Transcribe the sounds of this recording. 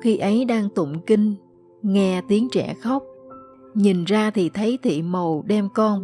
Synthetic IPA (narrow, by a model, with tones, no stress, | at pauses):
xi˧ʔə˨˦jɗaː˧ŋt̪ə̰˧˨ŋ͡mki˧ŋ | ŋɛ˧t̪i˨˦əŋt͡ɕɛ̰˧˩˨xə˦˥wk͡p̚ɲi˨˩nzaː˧t̪ʰi˨˩t̪ʰə˨˦jt̪ʰḭ˧˨mə˨˩wɗɛ˧mkɔ˧n